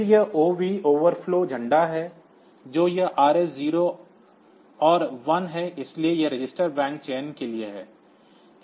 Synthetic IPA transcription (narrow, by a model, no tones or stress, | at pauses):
jɐoːʋioːʋəɾfloːd͡ʒʱɐ̃ɳɖaɦɛː | d͡ʒoːjɐʔaːɾesziːɾo | ɔːɾʋɐnɦɛɪsliejeɾɪd͡ʒɪsʈəɾbɛ̃ːŋk̚t͡ʃeːnkelieɦɛ̰ː